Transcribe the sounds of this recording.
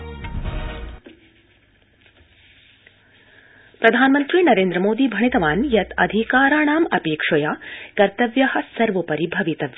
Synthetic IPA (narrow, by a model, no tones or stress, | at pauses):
pɾɐd̪ʱaːnmɐnt̪ɾiːnɐɾeːnd̪ɾɐmoːd̪iːbʱɐɳ̃it̪ɐʋaːnjɐt̪ɐ̰d̪ʱikaːɾaːɳaːmɐpeːkʂɐjakɐɾt̪ɐʋjɐhɐsɐɾʋɐpɐɾibʱɐʋit̪ɐʋjɐ